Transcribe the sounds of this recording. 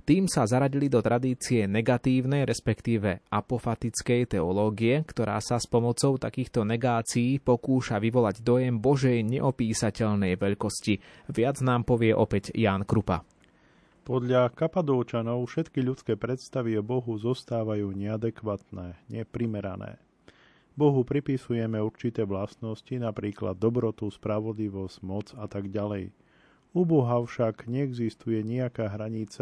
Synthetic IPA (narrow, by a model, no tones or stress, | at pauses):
t̪iːmsazaɾaɟilid̪ɔt̪ɾʔad̪iːt͡siɛnɛɡat̪iːʊnɛjɾɛspɛkt̪iːʋɛʔapɔfat̪it͡skɛjt̪ɛɔlɔːɡiɛkt̪ɔɾa̰ːsaspɔmɔt͡sɔʊt̪a̰kiːxt̪ɔnɛɡaːt͡siːpɔkuːʃaʋiʋɔlaɟd̪ɔjɛmbɔʒɛjɲɛʔɔpiːsacɛʎnɛjʋɛʎkɔsciʋɪad͡znaːmpɔʋɪɛʔɔpɛcjaːnkɾupa̰ | pɔd̪ʎakapad̪ɔʊt͡ʃanɔʊfʃɛt̪kiʎut̪t͡skɛːpɾɛt̪st̪aʋiɔbɔɦuzɔst̪aːʋajuːɲɛad̪ɛkʋaːt̪nɛːɲɛpɾimɛɾanɛ̰ː | bɔɦupɾipisujɛmɛuɾt͡ʃit̪ɛːʋlast̪nɔscinapɾiːkla̰d̪ːɔbɾɔt̪uspɾaʋɔd̪liʋɔsɟmɔt͡sat̪aɡɟalɛj | ubɔɦafʃaɡɲɛɛɡzist̪ujɛɲiakaːɦɾaɲit͡sa